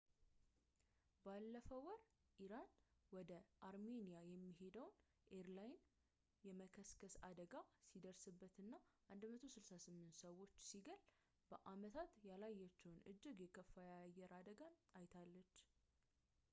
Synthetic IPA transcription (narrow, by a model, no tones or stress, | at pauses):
balːəfəwɔɾ | ʔiɾanwɔd̪əʔaɾme̞nijajɛmːiɦe̞d̪əwn | ʔeɾlajn | jɛməkʰəskʰəsad̪əɡasid̪əɾsɨbːət̪ɨnːaʔand̪mət̪ʰosɨlsasɨmːɨnt̪səwo̞t͡ʃːsiɡəl | b̥əʔamət̪ʰat̪jalajːɛt͡ʃːɛwnɨ̰d͡ʒːɪɡjɛkʰəfːajaajːɛɾad̪əɡanajt̪ʰalːət͡ʃː